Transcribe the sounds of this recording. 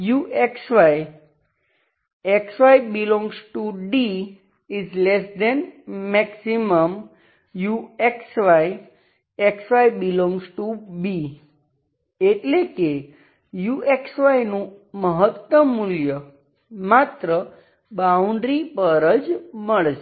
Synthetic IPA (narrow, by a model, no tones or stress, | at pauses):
juʔeksʋaj | eksʋajbilɔ̃ŋɡzʈuɖi | izlesd̪ɛnmɛksiməm | jueksʋaj | eksʋaibilɔ̃ŋɡzʈubi | eʈleke | juʔeksʋajnũməɦət̪ːəmːuljə | mat̪ɾə | bauɳɖɾipəɾəd͡ʒməɭʃe